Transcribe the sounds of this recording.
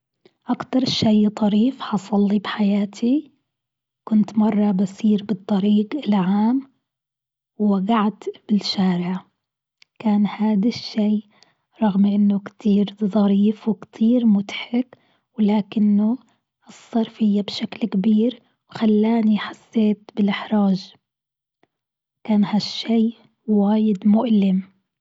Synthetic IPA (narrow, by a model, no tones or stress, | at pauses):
ʔakt̪ɑɾˤʃajt̪ˤɑɾiːfħɑsˤɑlːibħajaːt̪ʰi | kʊnt̪mɑrˤːɑbasiːɾbɨt̪ˤːɑɾiːɡɪlʕaːm | wwaɡaʕt̪b̥ɪlʃaːɾɪʕ | kaːnhaːd̪aʃːiː | ɾˤɑɣmʔɪnːʊkt̪iːɾzˤɑɾiːfwɪkt̪ʰiːɾmʊt̪ħɪk | wɪlaːkɪnːʊ | ʔɨsˤːɑɾˤfɪjːabʃaklkabiːɾ | wxalːaːniħasːeːt̪bɪlʔɪħɾˤaːʒ | kaːnhaʃːiː | waːjɪd̪mʊʔlɪm